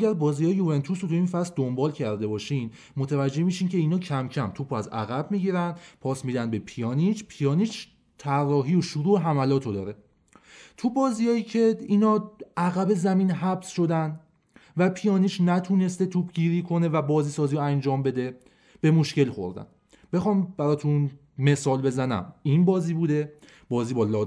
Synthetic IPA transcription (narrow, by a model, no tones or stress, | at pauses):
ʔæɟæɾbɒːzijɒːjeuvent̪ʰusot̪ʰuiːnfæsd̪o̞mbɒːlcʰæɾd̪e̞bɒːʃin | mot̪ʰævæd͡ʒːe̞hmiːʃiːncʰe̞iːnɒːcʰæmcʰæmt̪ʰupʰoæzæ̰ɣæbmiɟiɾænd̪pʰɒːsmiːd̪ænd̪be̞pʰijɒːnit͡ʃʰpʰijɒːniːt͡ʃʰ | t̪ʰærːɒːɦiːoʃuɾuːeɦæmælɒːt̪ʰod̪ɒːɾe̞ | t̪ʰubɒːzijɒːiːcʰe̞iːnɒːæɣæbe̞zæmiːnɦæbsʃo̞d̪æn | væpʰijɒːniːt͡ʃʰnæt̪ʰuːne̞st̪e̞t̪ʰupʰɟiːɾiːkʰo̞ne̞væbɒːziːsɒːziːoænd͡ʒɒːmbe̞d̪e̞ | b̥e̞mo̞ʃce̞lxo̞̰ɾd̪æ̰n | b̥e̞xɒːmb̥æɾɒːt̪ʰun | me̞sɒːlbe̞zænæ̰minbɒːziːbuːd̪e̞ | bɒːziːbɒːlɒː